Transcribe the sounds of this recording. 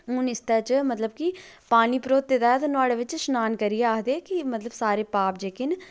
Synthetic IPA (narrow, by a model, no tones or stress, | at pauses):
ʊnɪst̪aːt͡ʃmət̪ləb̚ki | paːniːpɾoːt̪ːed̪aːt̪nʊaːɽeːʋɪt͡ʃʃnaːnkəɾijeaːɦd̪eːkimət̪ləbsaːɾeːpaːp̚d͡ʒeːkɪn